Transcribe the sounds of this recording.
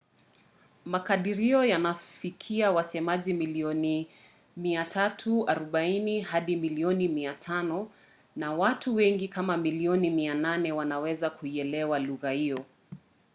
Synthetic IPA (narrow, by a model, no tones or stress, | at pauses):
makaɗiɾiɔjanafikʰiawasɛmaʄimiliɔni | miatʰatʰuaɾɔɓainihaɗimiliɔnimiatʰanɔ | nawatuwɛŋɡikamamiliɔnimiananɛwanawɛzakuiɛlɛwaluɣahijɔ